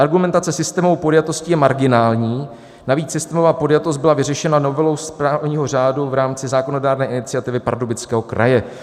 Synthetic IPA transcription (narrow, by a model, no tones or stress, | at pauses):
ʔaɾɡumɛnt̪at͡sɛsɪst̪ɛːmovowpodjat̪oscɪjɛmaɾɡɪnaːlɲiː | naviːt͡ssɪst̪ɛːmovaːpo̞djat̪ost̪bɪlavɪrɛʃɛnano̞vɛlo̞wspɾaːvɲiːɦo̞r̝aːduvɾaːmt͡sɪzaːko̞no̞daːɾnɛːʔɪnɪt͡sɪjat̪ɪvɪpa̰ɾdobɪt͡skɛːɦo̞kɾa̰jɛ